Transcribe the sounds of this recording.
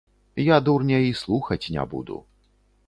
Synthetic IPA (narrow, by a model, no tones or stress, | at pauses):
jad̪urnʲɛjislˠuxɐt͡sʲnʲɛ̰bṵd̪ṵ